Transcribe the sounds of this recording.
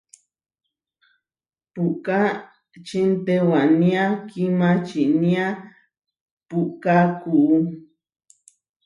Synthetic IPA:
puʔka | t͡ʃint̪ewanĩãkimãt͡ʃiʔnĩa | puʔkakuʔu

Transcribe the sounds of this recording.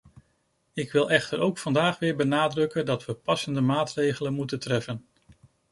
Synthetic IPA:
ɪkʋɪlˠɛχtəɾowkfɑndaːχʋɪːɹbənaːdrɵkəndɑtʋəpɑsəndəmaːtrejχələnmutəntrɛfən

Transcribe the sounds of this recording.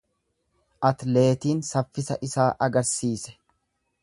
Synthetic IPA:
ʔɐt̪le̞ːt̪iːnsɐfːɪsɐ̰ʔɪsaːʔɐɡɐɾsiːsɛ̥

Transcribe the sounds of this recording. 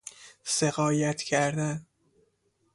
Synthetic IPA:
seɣɒːjæt̪ʰcʰæɾd̪æn

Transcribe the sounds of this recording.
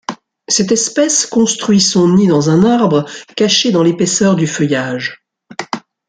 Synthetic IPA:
sɛt̪ɛspɛskɔ̃st̪χɥisɔ̃nid̪ɑ̃zɛ̃naʁbʁəkaʃed̪ɑ̃lepɛsœʁd̪yfœjaʒ

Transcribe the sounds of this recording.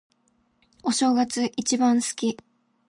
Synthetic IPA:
o̞ɕo̞ːɡat͡sɨʔit͡ɕibãɰ̃sɨ̥kʲi

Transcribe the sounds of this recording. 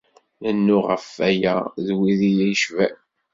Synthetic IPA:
lənːʊʁəfæjæðwiðijæjʃvæ

